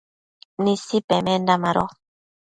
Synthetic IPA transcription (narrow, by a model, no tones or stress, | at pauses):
nisipɛmɛndamaɾɔ̰